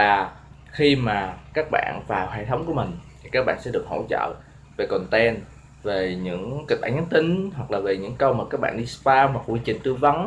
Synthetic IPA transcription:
aː˨˩ | xi˧maː˨˩kaː˦˥k̚ɓa̰ː˧˨nvaː˨˩wɦḛ˧˨t̪ʰə˨˦wŋ͡mku˧˩əmï˨˩ŋ̟t̪ʰi˨˩kaː˦˥k̚ɓa̰ː˧˨nsɛ̰˧˥ɗɨ˨˩ək̚ho̰˧˥˨t͡ɕə̰ː˧˨ | ve˨˩kɔ˨˩nt̪ɛ˧n | ve˨˩ɲɨ̰˧˥ŋki˨˩k̚ɓa̰ː˧˩ɲa˨˦nt̪ï˨˦ŋ̟ɦwa˨˩k̚laː˨˩ve˨˩ɲɨ̰˧˥ŋkə˧wmaː˨˩kaː˦˥k̚ɓa̰ː˧˨nɗi˧spaː˧maː˨˩ku˧t͡ɕï˨˩ŋ̟t̪ɨ˧və˨˦n

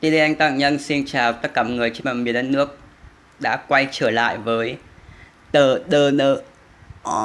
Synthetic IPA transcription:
t̪i˧li˧ʔa˧jŋ̟t̪a̰ː˧˨ŋɲə˧nsi˧nt͡ɕaː˨˩wt̪ə˦˥t̚kaː˧˩mɔ˨˩ŋɨ˨˩əjt͡ɕi˧˦maː˨˩mi˨˩ənɗa˧˦nɨ˦˥ək̚ | ɗa̰ː˧˥kwa˧jt͡ɕəː˧˩la̰ː˧˨jvəː˨˦j | ɗəː˨˩ɗəː˧˩ɗəː˧˩ | ʔɔ˨˧˩

